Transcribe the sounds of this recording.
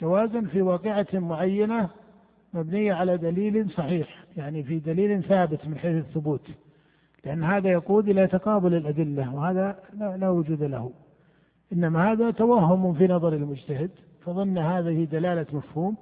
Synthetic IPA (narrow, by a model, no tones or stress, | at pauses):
d͡ʒawaːzʊnfiwɑːqɪʕamʊʕajːana | mabnɪjːaʕalad̪aliːlsˤɑħiːħjaʕnifid̪aliːlθaːbɪt̪mɪnħeːθɪθːʊbuːt̪ | lɪʔanːhaːðajɑquːd̪ʔɪlat̪ɑqɑːbʊlɪlʔad̪ɪlːawhaːðalalaːwʊd͡ʒuːd̪alahu | ʔɪnːamahaːðat̪awahːʊmʊfinɑðˤɑɾˤɪlmʊd͡ʒt̪ahɪd̪ | fɑðˤɑnːhaːðɪhid̪alaːlamafhuːm